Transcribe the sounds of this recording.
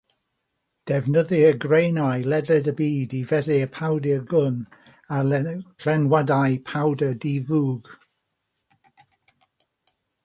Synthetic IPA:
d̥ɛvnəðɪəɡrejnajlɛdɛdəbiːdivɛðɪəpʰawdɪrɡʊn | akʰl̥ɛnwadajpʰawdədivuːɡ̥

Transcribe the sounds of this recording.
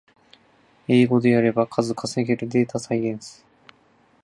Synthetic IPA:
eːɡo̞d̪e̞jaɾe̞bakʰazɨkʰaseɡeɾɯ̟d̪e̞ːt̪asaiẽñsɨ̥

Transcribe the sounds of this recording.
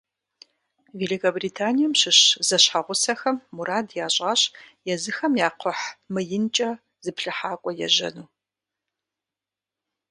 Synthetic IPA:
veːɮikʰɐbriːtʰaːnijɛmɕɪɕz̥ɐɕħaʁʷʊsɐxɐmːuɾaːdjaːɕʼɐɕʼjɛzɨxɐmjaːqʰʷɔħmɨjɪnt͡ʃʼɐ | zɨpɬɨħaːkʷʼɔjɛ̰ʑɐ̰nuː

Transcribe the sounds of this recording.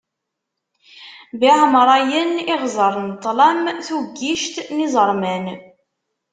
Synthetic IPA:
biʕmɾˤɑjəniʁzˤəɾˤnt̪ˤːlæmθuɡːiʃt̪nizˤəɾˤmæn

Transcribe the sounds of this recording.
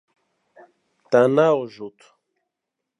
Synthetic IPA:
t̪anaoʒut̪u̥

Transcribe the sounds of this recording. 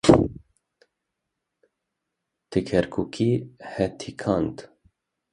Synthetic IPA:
t̪ʰɨkʰɛɾkʰukʰihɛt̪ʰikʰɑnt̪

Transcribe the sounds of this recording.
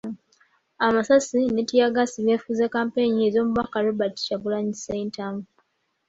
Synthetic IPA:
amasasinetijaɡasiβefuzekampe̞ɲiezo̞ːmuβakaɾubati̥t͡ʃaβulaɲiseintamu

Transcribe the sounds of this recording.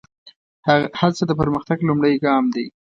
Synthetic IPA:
halsəd̪əpəɾməxt̪aɡlumɽəjɡɑmd̪e

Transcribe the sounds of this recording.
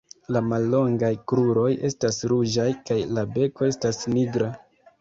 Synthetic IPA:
lamalːo̞ŋɡajkɾuɾo̞je̞̰stasɾud͡ʒajkajlabe̞ko̞e̞stasniɡɾa

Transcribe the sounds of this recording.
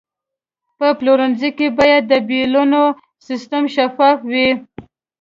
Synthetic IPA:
pəploɾanzikebɑjad̪ːəbiluno | sist̪amʃafɑfwi

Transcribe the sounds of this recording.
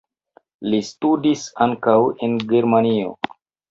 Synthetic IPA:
listudisaŋkawenɡeɾmanio̰

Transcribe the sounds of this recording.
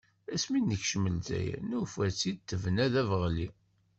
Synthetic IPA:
æsminːəçʃəməlzæ̰jæ̰nufæt͡sːid̪̚t̪ːəvnæðævʁli

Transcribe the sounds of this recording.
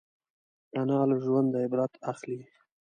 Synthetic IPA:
anɑlaʒwand̪aɪbɾat̪ʰaxli

